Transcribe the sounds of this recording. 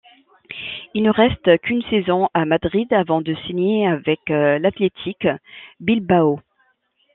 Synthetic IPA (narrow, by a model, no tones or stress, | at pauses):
ilnəʁɛst̪kynsɛzɔ̃amad̪ʁid̪avɑ̃d̪əsiɲjeavɛklat̪let̪ʰikbilbao